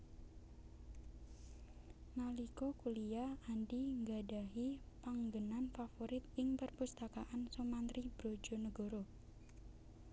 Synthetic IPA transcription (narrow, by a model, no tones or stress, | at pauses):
nalikokuliaandiŋɡadaɦi | paŋɡənanfafoɾɪt̪̚ɪŋpərpust̪akaʔansomant̪ɾib̥ɾod͡ʒo̤nəɡoɾo